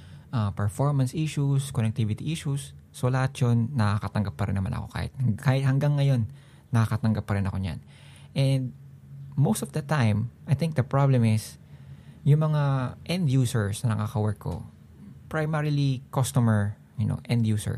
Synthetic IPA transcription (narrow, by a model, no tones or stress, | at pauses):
ʔɐpɛɹfoɹmɐnsiʃuskonɛk̚t̪ivɪt̪iʔiʃusːolɐhat̪t͡ʃonːɐkakɐt̪ɐŋɡɐpːɐɾɪnɐma̰nʔɐ̰ko̞̰ka̰ːhɪ̰t̪̚kaːhɪt̪̚hɐŋɡaŋːɐjo̞nː | ɐkakɐt̪ɐŋɡɐp̚ːɐɾɪnʔɐ̰ko̞ɲa̰n | ʔɛnd̪̚ | mowst̪ɔvd̪ɐt̪ːãjmʔajt̪ɪ̃ŋk̚d̪ɐpɹablɛmɪs | jʊŋmɐŋaʔɛ̃nd̪juːsɛɹsnɐnɐ̰kakɐwɛɹkʰːo̰ | pɹajmɛɹilikost̪omɛɹ | jʊno̰ʔɛ̃nd̪juːsɛ̰ɹ